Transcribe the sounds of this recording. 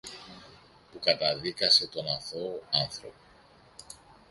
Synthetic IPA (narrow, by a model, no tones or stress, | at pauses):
pukɐt̪ɐðikɐse̞t̪o̞nɐθo̞ɐnθɾo̞̰po̥